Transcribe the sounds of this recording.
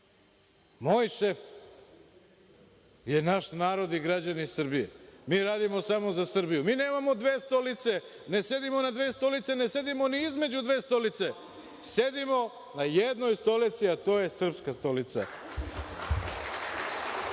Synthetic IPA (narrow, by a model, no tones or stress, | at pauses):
mo̞ːjʃe̞f | je̞naʃnaːɾo̞d̪iɡɾad͡ʑanisr̩bijemiːɾaːd̪imo̞samo̞zasr̩bijumiːne̞ːmamo̞d̪ʋeːst̪o̞lit̪se̞ | ne̞se̞d̪imo̞nad̪ʋeːst̪o̞lit̪sene̞se̞d̪imo̞niizme̞d͡ʑud̪ʋe̞ːst̪o̞lit̪se | se̞d̪imo̞ | najed̪no̞jst̪o̞lit̪siat̪o̞ːje̞sr̩pskast̪o̞lit̪sa̰